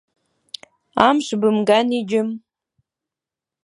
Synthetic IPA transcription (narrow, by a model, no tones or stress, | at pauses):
amʂbɨmɡanid͡ʒɪm